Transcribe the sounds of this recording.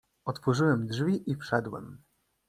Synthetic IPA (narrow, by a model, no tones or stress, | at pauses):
ɔt̪fɔʐɘwɛmdʐvʲiʔifʂɛd̪wɛ̰m